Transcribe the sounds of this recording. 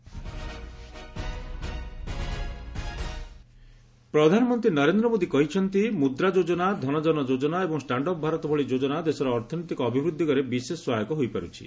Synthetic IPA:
pɾɔd̪ʱanɔmɔnt̪ɾinɔɾend̪ɾɔmod̪ikɔɦit͡ʃʰɔnt̪imud̪ɾad͡ʒod͡ʒɔnad̪ʱɔnɔd͡ʒɔnɔd͡ʒod͡ʒɔnaebɔŋsʈaɳɖɔpɔbʱaɾɔt̪ɔbʱɔɭid͡ʒod͡ʒɔnad̪esɔɾɔːɾt̪ʰɔnot̪ikɔːbʱibɾud̪ʱːikɔɾebiseswajɔkɔɦojpaɾṵt͡ʃʰḭ

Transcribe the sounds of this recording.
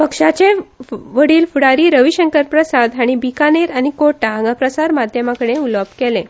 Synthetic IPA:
pəkʂat͡ɕeʋəɽiːlfuɽaɾiːɾəʋiɕəŋkəɾpɾəsad̪aɽ̃ibikaneɾañikoʈaãŋɡapɾəsaɾmad̪ʱjəmakəɽeuləbkelẽ

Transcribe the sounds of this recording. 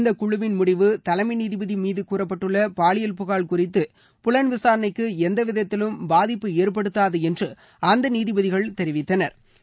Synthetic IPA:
nd̪ɐkʊɻʊʋɪnmʊɽɪʋɯt̪ɐlɐmɐɪniːðɪbɐðimiːðɯkuːrɐp̬ːɐʈːɯɭːɐpaːɭɪjɐlpʊɣaːɭkʊrɪt̪ːɯ | pʊlɐɳʋɪsaːɾɐnɐɪkːɯɛnd̪ɐʋɪðɐt̪ːɪlɯmbaːðɪpːɯeːrpɐɽɯt̪ːaːðɯɛndrɯ | ʔɐnd̪ɐniːðɪbɐðɪɣɐɭt̪ɛɾɪʋɪt̪ːɐnɐɾ

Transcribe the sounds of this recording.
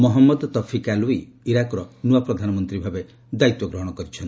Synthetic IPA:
mɔɦɔmːɔd̪t̪ɔpʰikalui | iɾakɔɾɔnuapɾɔd̪ʱanɔmɔnt̪ɾibʱabe | d̪ait̪wɔɡɾɔɦɔɽ̃ɔkɔɾit͡ʃʰɔn

